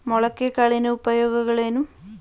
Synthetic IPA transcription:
moɭɐkːekaɭinɨubɐjo̞ːɡɐɣɐɭenum

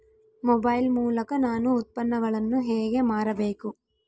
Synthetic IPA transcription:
mɔbɐjlmuːlɐkɐnaːnuːt̪̚pɐnːɐɡɐɭɐnːuɦeːɡe̞maːɾɐbe̞ːku

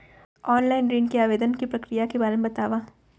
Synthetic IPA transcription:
ɔːnlaːɪnɾiːnkiaːʋeːd̪ənkipɾɐkɾijakebaːɾemebɐt̪aːʋaː

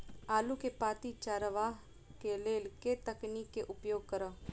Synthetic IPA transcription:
aːlukepaːt̪it͡ʃaːɾəʋaːɦ | keleːlket̪əkniːkːeʔʊpjoːɡ̚kəɾə

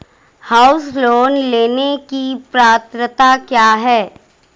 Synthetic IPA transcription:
haːʊsloːnleːnekipɾaːt̪ɾət̪akjaːɦɛː

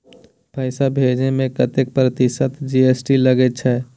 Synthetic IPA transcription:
pəɪsabʱed͡ʒnemẽkət̪ek̚pɾət̪ɪsət̪d͡ʒiesʈiləɡet͡ʃʰɛː

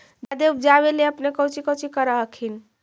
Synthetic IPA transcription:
d͡ʒad̪ebd͡ʒaβeleəpnekəɦut͡ʃʰikəut͡ʃʰikəɾəɦəkʰin

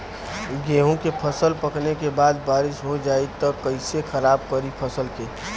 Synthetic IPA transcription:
ɡeːɦõkepʰɐsəlpəknekebaːd̪baːɾɪʃɦod͡ʒaːit̪əkːəɪsexəɾaːb̚kəɾipʰɐsəlkeː

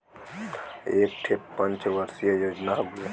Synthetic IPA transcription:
ek̚ʈʰepːənt͡ʃʋəɾsijajod͡ʒnaɦoɡue

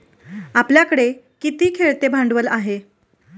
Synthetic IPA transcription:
apljakəɽekit̪iːkʰeɭt̪ebʱaɳɖʋəlaɦe

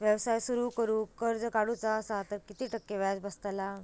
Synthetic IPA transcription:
ʋjəwsajsuɾuːkəɾuːkəɾd͡zəkaɽut͡sasat̪əɾkit̪iːʈəkːeʋat͡sbəst̪la

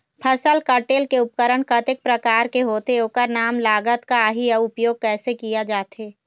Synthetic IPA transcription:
pʰɐsəlkəʈeːlkeʊp̚kəɾəɳkət̪ɪk̚pɾɐkaːɾkeɦoːt̪eoːkəɾnaːmlaːɡət̪kaɦijɐʊpjoːɡ̚kɛːsekijad͡ʒaːt̪ɦeː

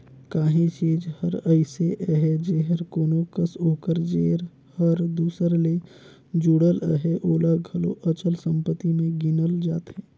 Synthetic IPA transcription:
kaːɦĩt͡ʃiːd͡ʒhəɾəɪseʔəɦɛd͡ʒeɦəɾkoːnokəsoːkəɾd͡ʒeːɾ | həɾd̪uːsəɾle | d͡ʒuɽələɦeʔoːlaɡʱɐlo̰ʔət͡ʃəlsə̃mpət̪ːimẽɡɪnəld͡ʒaːt̪ɦɛː

